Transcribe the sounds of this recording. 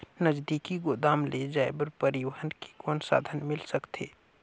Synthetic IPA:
nəd͡ʒd̪ikiɡoːd̪aːmled͡ʒaːebəɾpəɾɪʋəɦənki̥koːnsa̰ːd̪ʱənmɪlsəkt̪ʰḛː

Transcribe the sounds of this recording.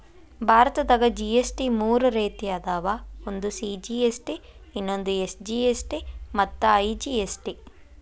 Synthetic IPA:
bʱaːɾɐt̪ɐd̪ɐɡɐd͡ʒiesʈimuːɾuɾeːt̪ijɐd̪aːʋaond̪usiːd͡ʒiːesʈi | inːo̞nd̪uesd͡ʒiːesʈimɐt̪ːɐɐjd͡ʒiesʈi

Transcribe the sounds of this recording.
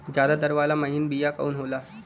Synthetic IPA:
d͡ʑjad̪ad̪əɾʋalaməɦiːnbijakə̰unɦola

